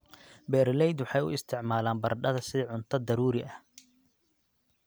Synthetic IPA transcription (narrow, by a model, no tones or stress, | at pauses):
bɛːɾlɛjd̪wɑħɑjʊ̰ɪst̪ʰɪʕmaːlaːmbɐrɖɐðɐsɪʕʊnt̪ʰɐd̪ɐɾuːɾɪʔɐh